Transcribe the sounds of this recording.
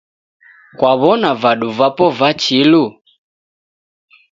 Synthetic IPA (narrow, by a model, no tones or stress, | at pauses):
kwaβɔnavaɗuvapɔvat͡ʃilu